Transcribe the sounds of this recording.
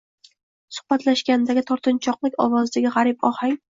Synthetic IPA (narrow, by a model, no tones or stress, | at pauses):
sʊ̥hbat̪ʰlaʃɡʲand̪aɡʲɪt̪ʰɒɾt̪ʰɪnt͡ʃʰɒqlˠɪkʲɒ̰wɒzd̪aɡʲɪʁɑɾɪpɒhaŋ